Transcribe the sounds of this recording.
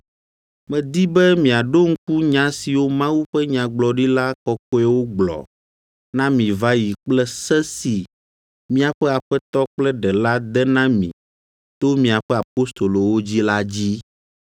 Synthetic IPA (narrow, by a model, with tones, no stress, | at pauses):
mɛ̃˨d̪i˦bɛ˦mĩ˨a˨ɖo˦ŋ̩˦ku˦ɲã˨˦si˨wo˦mã˦wu˦ɸɛ˦ɲã˨ɡ͡blɔ˨ɖi˦la˦kɔ˦ko˦ɛ˦wo˦ɡ͡blɔ̰˨ | nã˦mĩ˨va˦ji˨k͡plɛ˦sɛ˦si˨ | mĩ˦a˨ɸɛ˦a˨ɸɛ˦t̪ɔ˦k͡plɛ˦ɖɛ˨la˦d̪ɛ˦nã˦mḭ̃˨ | t̪o˦mĩ˨a˨ɸɛ˦a˨po˦st̪o˨lo˨wo˦d͡ʑi˦la˦d͡ʑi˦